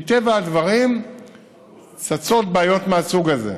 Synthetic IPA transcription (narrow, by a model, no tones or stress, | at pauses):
t̪evaad̪vaʁim | t͡sat͡so̞t̪̚baːjo̞t̪measuɡazḛ